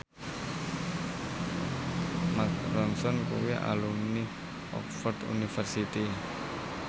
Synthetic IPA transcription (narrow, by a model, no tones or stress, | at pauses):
mak̚ɾɔnsɔnkṵweʔa̰lunni | ʔɔ̰kfɔrd̪ṵnifərsit̪i